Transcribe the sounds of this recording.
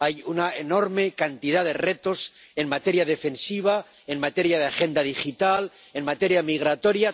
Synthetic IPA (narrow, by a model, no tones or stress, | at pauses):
ajunaeno̞ɾme̞kant̪iðaðe̞re̞t̪o̞se̞nmat̪e̞ɾjaðe̞fe̞nsiβ̞a | e̞nmat̪eɾjað̞eaxe̞nd̪að̞ixit̪al | e̞nmat̪e̞ɾjamiɣ̞ɾat̪o̞ɾja